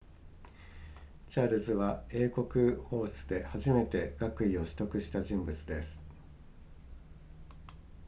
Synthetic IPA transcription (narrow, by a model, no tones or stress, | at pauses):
t͡ɕaːɾɯ̟zɨβae̞ːko̞kɯ̟ho̞ːsɨd̪e̞haʑime̞t̪e̞ɡakɯ̟io̞ɕi̥t̪o̞kɯ̟ɕi̥t̪aʑĩmbɯ̟t͡sɨd̪e̞sɨ̥